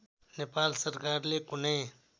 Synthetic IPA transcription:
nepaːlsəɾkaːɾlekʊnẽ

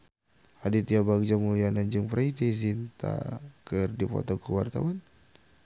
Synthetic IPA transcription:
hadit̪iabak̚d͡ʒamulianaɲd͡ʒɨŋpɾait̪iz̬int̪a̰kərdipɔ̰t̪ɔkəwart̪a̰wan

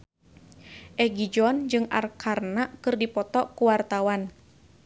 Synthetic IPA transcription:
ʔɛɡid͡ʒɔnd͡ʒɨŋa̰rkʰarnaʔkɨrdipɔt̪ɔkuwart̪awan

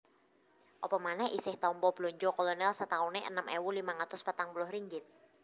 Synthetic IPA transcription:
ʔɔpɔmanɛhʔisɪht̪ɔmpɔb̥loɲd͡ʒɔkɔlɔnɛlsət̪auneʔə̰nəmʔewulimaŋat̪ʊspət̪aŋpulʊhɾiŋɡɪt̪̚

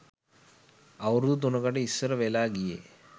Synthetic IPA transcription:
ɐwɾud̪ut̪̬unɐkɐʈeisːɐɾɐʋelaːɡijḛ

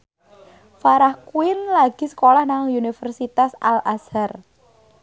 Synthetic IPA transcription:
faɾahkuɪnlaɡ̥isə̥kolahnaŋunifərsit̪asalʔasar

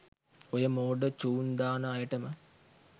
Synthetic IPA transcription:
ojəmoːɖət͡ʃuːnd̪aːnəajəʈəmə

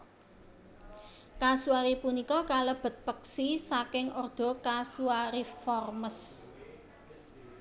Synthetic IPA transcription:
kasuaɾipunikɔkaləb̥ə̤t̪̚pəksisakɪŋɔrd̪̥ɔ̤kasuaɾifɔrməs

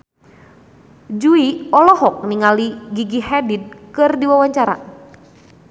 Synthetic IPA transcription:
d͡ʒuiɔlɔhɔk̚niŋaliɡiɡihɛdid̚kɨrdiwawaɲt͡ʃaɾa̰

